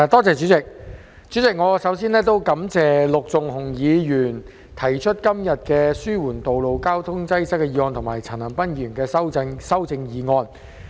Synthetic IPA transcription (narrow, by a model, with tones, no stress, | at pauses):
t̪ɔː˥t͡sɛː˨˧t͡ʃyː˨˥t͡sɪ˨k̚ | t͡syː˨˥t͡sɪ˨k̚ŋɔː˨˧sɐ˨˥wsiː˥nlɛː˥t̪o˥wkɐ˨˥mt͡sɛː˨lʊ˨k̚t͡sʊ˨ŋhʊ˨˩ŋjiː˨˧jyː˨˩n | t̪ʰɐ˨˩jt͡ʃʰɵ˥t̚kɐ˥mjɐ˨t̚kɛː˧syː˥wuː˨˩nt̪o˨wlo˨wkaː˥wt̪ʰʊ˥ŋt͡sɐ˥jsɐ˥kːɛː˧jiː˨˧ŋɔː˧nt̪ʰʊ˨ŋmaː˨˩jt͡sʰɐː˨˩nlɐ˨˩npɐ˥njyː˨˩nkɛː˧sɐ˥wt͡sɪ˧ŋsɐ˥wt͡sɪ˧ŋjiː˨˧ŋɔː˧n